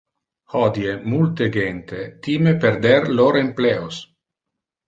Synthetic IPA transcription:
hɔd̪jemult̪eɡent̪et̪imepeɾd̪ɛɾloɾempleos

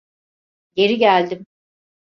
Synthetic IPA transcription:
ɟe̞ɾiɟælʲd̪im

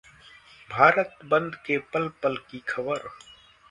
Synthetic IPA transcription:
bʱaːɾət̪bə̃nd̪kepəlpəlkikʰəbəɾ

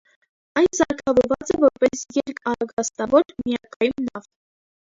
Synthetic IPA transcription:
ɑjnsɑɾkʰɑvɔɾvɑt͡sɛvɔɾpɛsjɛɾkʰɑɾɑɡɑst̪ɑvɔɾmiɑkʰɑjumnɑʁt̪

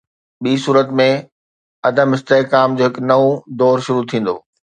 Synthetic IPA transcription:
ɓiːsuːɾət̪mẽ | ɐd̪ʱəmɪst̪eːkaːmd͡ʑoːɦɪknɐod̪ɔːɾʃʊɾut̪ʰĩːn̆d̪o̰ː

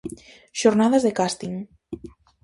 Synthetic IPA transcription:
ʃoɾnaðazðekast̪iŋ

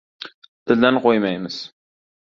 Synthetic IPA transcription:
t̪ʰɪld̪anqojmajmɪz̥

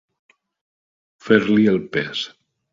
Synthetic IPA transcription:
feɾlielˠpes

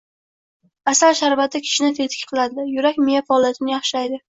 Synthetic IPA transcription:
asalʃaɾvat̪ʰːɪkʲʰɪ̥ʃɪnɪt̪ʰe̞t̪ʰɪ̥kʲqʰɨlˠad̪ɪjʊɾakʲmɪjafaːlˠijat̪ʰɪnɪjɑχʃajd̪ɪ

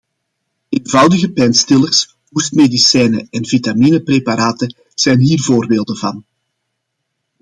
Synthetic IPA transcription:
eːnvɑwdəɣəpɛjnstɪlərs | ɦustmedisɛjnə̰ɛnvitamiːnəprepaɾaːtə | z̥ɛjnɦiːrvoːrbeːlˠdəvɑ̰n

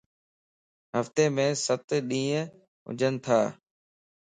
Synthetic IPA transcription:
ɦəft̪eːmẽːsət̪ɗĩːə̃ | ɦʊ̰d͡ʒʱənt̪ʰa̰ː

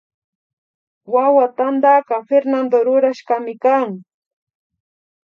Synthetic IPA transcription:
wawat̪and̪aɢafeɾnand̪oɾʊɾaʃkamɪkaŋ

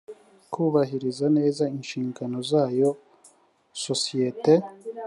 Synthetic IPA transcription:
kʰuːβaɦiɾizane̞ːzainʃiːŋɡano̞zaːjo̞ | sosijete

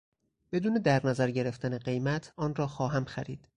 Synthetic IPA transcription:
b̥e̞d̪uːne̞d̪æɾnæzæɾɟe̞ɾe̞ft̪æneɢe̞jmæt̪ʰɒːnrɒːxɒːɦæmxæɾḭːd̪̥

